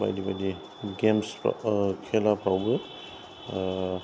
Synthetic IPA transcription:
ba̰jdibadi | ɡemskʰɛlapʰawbɯ

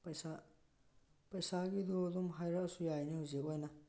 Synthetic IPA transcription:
pɐjsa | pɐjsaɡid̪od̪umɦajɾasujajnihuzebɔjna

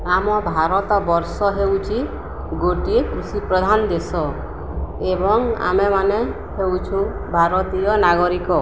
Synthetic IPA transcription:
amɔbʱaɾɔt̪ɔbɔɾsɔɦewt͡ʃʰi | ɡoʈikɾusipɾɔd̪ʱand̪esɔ | ebɔŋa̰memane | hewt͡ʃʰũbʱaɾɔt̪ijɔnaɡɔɾikɔ

